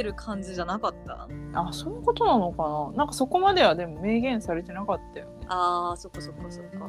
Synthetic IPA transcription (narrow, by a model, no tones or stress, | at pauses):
eɾɯ̟kʰãɲ̟d͡ʑiʑanakat̪ːa̰aso̞noko̞t̪o̞nano̞kananãŋkaso̞ko̞mad̪e̞β̞ad̪e̞mo̞me̞ːɡẽ̞ɰ̃saɾe̞t̪e̞nakat̪ːajo̞neaːso̞kːaso̞kːasokːa̰